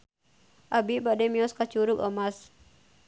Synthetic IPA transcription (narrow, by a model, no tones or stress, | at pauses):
ʔabibadɛmiɔskat͡ʃuɾʊkɔmas